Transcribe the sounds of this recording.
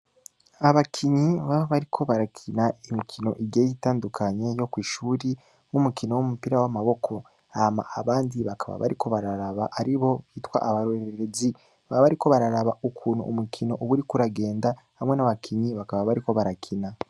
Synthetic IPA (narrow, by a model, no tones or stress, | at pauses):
aβakʰiɲiβaβaβaɾikʰo̞βaɾakʰinaimikʰino̞̰ʔiɟeːjitaːndukʰaɲe̞jo̞kwiːʃuːɾi | mumukino̞wumupiɾawamaβo̞kʰo̞ | ama̰ʔaβaːndiβakʰaβa̰βa̰ɾikʰo̞βaɾaɾaβaʔaɾiβo̞βiːtwa̰ʔaβaɾoeɾezi | βaβaɾiko̞βaɾaɾaβaʔukʰuːnhṵumukʰino̞ʔuβuɾikuɾaɡe̞ːnda | hamŋe̞naβakʰiɲiβakaβaβaɾiko̞βaɾakʰina